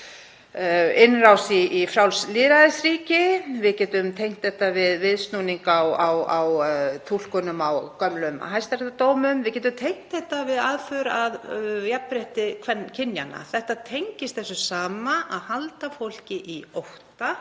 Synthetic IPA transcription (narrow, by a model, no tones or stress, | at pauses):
ɪnːrawsiifɾawlslɪːɾaðɪsriːcɪvɪðcɛːt̪ʏmt̪ʰejŋ̥t̪θɛht̪avɪðvɪðst̪nuniŋkawawawt̪ʰul̥kʏnʏmawkœmlʏmɦajst̪aɾɛt̪at̪oːwmʏmvɪðcɛt̪̬ʏmt̪ʰejŋ̥t̪θɛht̪avɪðaːðfœɾaðjapɾeht̪ɪkʰvɛncʰɪnjana̰θɛht̪at̪ʰejɲcɪst̪θɛsʏsaːmaʔaðhalt̪afowl̥cɪʔiowht̪a